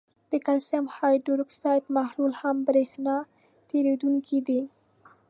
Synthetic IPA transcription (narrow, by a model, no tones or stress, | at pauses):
d̪̥əkalsamhɑjɖuɾksɑjt̪mahlulhambɾexnɑ | t̪eɾed̪uŋkʰid̪i